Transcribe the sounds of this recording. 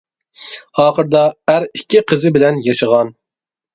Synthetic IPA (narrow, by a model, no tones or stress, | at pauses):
ɑːχəɾd̪ɑæɾikʲʰːiqʰəzɪbɪlɛnjɑʃəʁɑn